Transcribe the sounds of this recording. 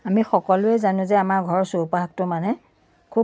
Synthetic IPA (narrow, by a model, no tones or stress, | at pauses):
amixɔkɔlʊɛzanʊ̃zɛamaɹɡʱɔɹɔsopaɦak̚tʊmanɛ | kʰu